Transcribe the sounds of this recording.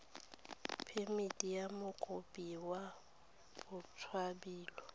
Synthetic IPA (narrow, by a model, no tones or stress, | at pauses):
pʰemitʼijamʊkʼʊpʼiwa | bʊt͡sʰwabiːlɔ